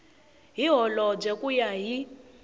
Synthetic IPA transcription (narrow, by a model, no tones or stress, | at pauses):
ɦiɦɔlɔd͡ʒekʼujaɦi